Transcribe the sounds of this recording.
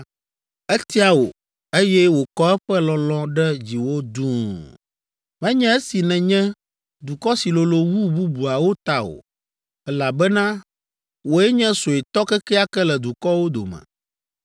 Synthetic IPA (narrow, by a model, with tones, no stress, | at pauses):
e˦t̪i˦a˨wo̰˨ | e˦jɛ˦wo˨kɔ˦ɛ˦ɸɛ˦lɔ̃˨lɔ̃˦ɖɛ˦d͡ʑi˨wo˦d̪ũ˦ | mɛ̃˦ɲɛ̃˦e˦si˨nɛ̃˨ɲɛ̃˦ | d̪u˨kɔ˦si˨lo˨lo˨wu˦bu˦bu˨a˨wo˦t̪a˦o̰˨ | ɛ˦la˨bɛ˦nã˦ | wo˨ɛ˦ɲɛ̃˦so˨e˨t̪ɔ˦kɛ˦kɛ˦a˦kɛ˦lɛ˨d̪u˨kɔ˦wo˦d̪o̰˨mɛ̰̃˨